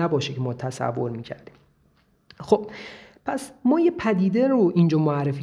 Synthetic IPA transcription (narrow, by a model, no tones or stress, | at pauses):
æbɒːʃecʰemɒːt̪ʰæsæ̰vːoɾmiːcʰæ̰ɾd̪̥iːm | xob̥̚pʰæsmɒːjepʰæd̪iːd̪eɾoʔind͡ʒɒːmoærːefiː